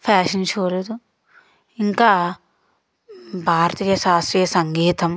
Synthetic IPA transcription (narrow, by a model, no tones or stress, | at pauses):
pʰaːʃɐnt͡ʃoːɾed̪u | iŋkaː | bʱaːɾɐt̪iːjɐʃaːst̪ɾiːjɐsɐŋɡiːt̪ɐm